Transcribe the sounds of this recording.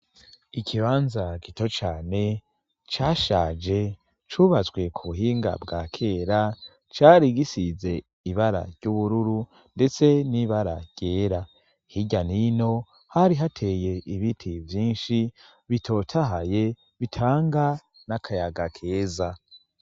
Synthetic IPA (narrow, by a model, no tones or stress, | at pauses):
ikʰiβaːnzaɡito̞t͡ʃaːne̞ | t͡ʃaːʃaːd͡ʒe̞ | t͡ʃuβazɡwe̞kʰuβuɦiːŋɡa̰bɡaːkʰe̞ɾa | t͡ʃaːɾiɡisize̞ | iβaɾa̰ɾɟuβuɾuɾu | nde̞t͡se̞niβaɾa̰ɾɟ̥e̞ːɾa | hiɟanino̞ | haɾiɦatʰe̞ːje̞ʔiβitʰivjiːnʃi | βitʰo̞tʰaɦaje̞ | βitʰaːŋɡa | nakʰajaɡakʰe̞ːza